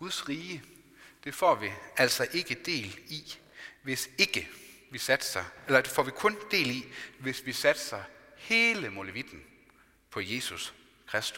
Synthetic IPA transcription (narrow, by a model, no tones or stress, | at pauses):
ɡ̥uðˠsʁiːə | d̥e̝fɒ̰ːʋiæl̰sɒ̽ʔe̝ɡ̥əd̥e̝̰ːli | ʋe̝se̝ɡ̥əʋisæd̥sɑelɐd̥e̝fɒ̰ʋikʰɔ̽nd̥e̝̰ːliʋe̝sʋisæd̥sɑɪhe̝ːləmo̝ləʋid̥n̩ | pʰɒ̽je̝sus | kʰʁasd̥u̥